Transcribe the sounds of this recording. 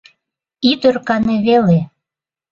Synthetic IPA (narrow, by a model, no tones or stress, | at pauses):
id̪ørkɑneβele